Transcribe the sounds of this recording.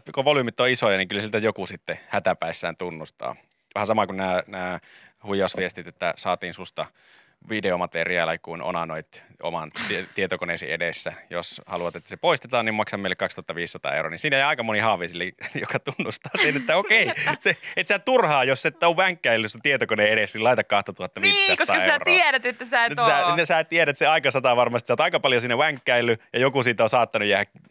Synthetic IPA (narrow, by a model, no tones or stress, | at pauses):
koʋolymit̪ːoisojɑniŋkylæsilt̪æjokusit̪ːehæt̪æpæisːæːnt̪unːust̪ɑ̰ː | ʋɑhɑsɑmɑkunnæːnæːhujˑɑsʋiest̪it̪et̪ːæsɑːt̪iːnsust̪ɑ | ʋideomɑt̪eriɑ̰ːlɑkuino̰nɑnoit̪o̰mɑnt̪it̪iet̪okoneˑsḭedesːæjoshɑluʋɑt̪et̪ːæ̥sepoist̪et̪ɑːnnimɑksɑmeilːekɑkst̪uoɑt̪ːɑʋiːssɑt̪ɑ̰ːḛuro̰ninsiːneˑjɑikɑmonihɑːʋˑisilːejokɑt̪unːust̪ɑ̥ːsenet̪ːæokeiseet̪sæːt̪urhɑːjosːet̪ːæoʋʋæŋkːæilːysut̪iet̪okoneːeɾesːilɑit̪ɑkːkɑht̪ɑt̪uhɑt̪ːɑʋiːskosɑḛro̰ieɾæt̪et̪ːæsæːtesæsæːt̪ieɾæt̪seɑikɑsɑt̪ɑʋɑrmɑst̪i̥sɑˑot̪ɑikɑpɑljosinːeʋæŋkːæilːyjɑjokusiːt̪osɑːt̪ːɑnujæːhæk